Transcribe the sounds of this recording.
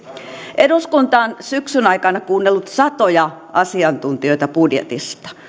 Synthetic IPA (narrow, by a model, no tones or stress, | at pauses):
ʔeduskunt̪ɑːnsyksynɑikɑnɑkuːnːelːut̪sɑt̪ojɑʔɑsiɑnt̪unt̪ioit̪ɑpudjḛt̪ḭst̪ɑ̥